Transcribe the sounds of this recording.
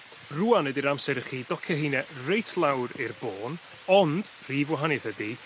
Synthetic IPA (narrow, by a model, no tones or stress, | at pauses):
ruːanɛdiɾamsɛɾəχiːdɔkʰɛɦɪnɛrejtʰlˠawɾɪrboːn | ɔnd̥ | r̥iːvwaɦanɨθədi